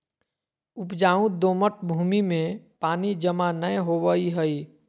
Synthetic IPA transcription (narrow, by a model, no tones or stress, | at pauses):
ʊpd͡ʒaːũd̪oːməʈbʱuːmimẽpaːnid͡ʒəmanəɦoʋəiɦəi